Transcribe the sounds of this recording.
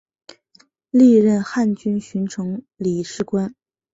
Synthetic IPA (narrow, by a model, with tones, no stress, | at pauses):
li˥˧ɻə˥˧nxa˥˩nt͡ɕy˥nɕy˧˥nʈ͡ʂʰɤ˧˥ŋ | li˨˩ʂɻ̩˥˩kwa˥n